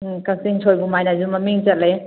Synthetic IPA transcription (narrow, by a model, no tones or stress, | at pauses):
kasiŋtʰojbumajnazumɐmiŋt͡ʃɐt̚le